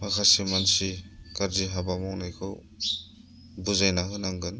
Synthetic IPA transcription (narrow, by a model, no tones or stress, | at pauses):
pakʰasimansikaɾziɦabamɔwnajkʰɯw | buzajnaɦɯnaŋɡɯn